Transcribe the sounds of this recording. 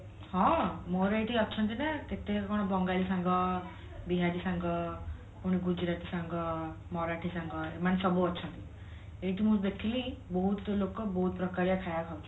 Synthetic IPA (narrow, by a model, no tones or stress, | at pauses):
hɔ̃moɾajʈiɔt͡ʃʰɔnt̪inaket̪ekɔɽ̃ɔbɔŋɡalisaŋɡɔ | biɦadisaŋɡɔ | puɽ̃iɡud͡ʒɾat̪isaŋɡɔ | mɔɾaʈʰisaŋɡɔemanesɔbuɔt͡ʃʰɔnt̪i | eʈimusbekʰilibɔɦut̪lokɔbɔɦut̪̚pɾɔkaɾjakʰajakʰawt͡ʃʰi̥